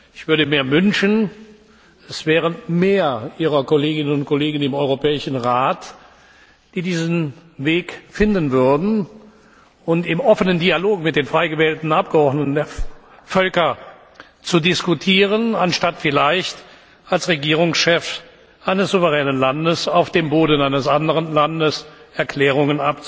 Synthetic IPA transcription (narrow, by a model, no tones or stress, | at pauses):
ɪçv̥ʏɐɾəmeːɐvʏnʃən | ɛsv̥ɛːʁəmeːɐʔiːʁɐkɔleːɡɪnənʊnt̚kʰoleːɡn̩ɪmɔʏʁopɛːɪʃn̩ʁaːt | d̥iːdiːzn̩veːkfɪndən̩vʏɐdn̩ | ʊntɪmʔɔfənəndialoːkmɪt̚d̥eːnfʁ̥aɪɡəvɛːltn̩ʔap̚ɡ̥əɔʁdnətn̩deːɐ | fœlkɐ | t͡sudɪskutʰiːʁ̞ənanʃtatfɪlaɪçt | alsʁeɡiːʁ̞ʊŋsʃɛf | ʔaɪnəsz̥uvəʁɛːnənlandəsaʊfd̥eːmboːdn̩aɪnəsʔandəʁənlandəsɛɐkl̥ɛːʁ̞ʊŋənap̚t͡s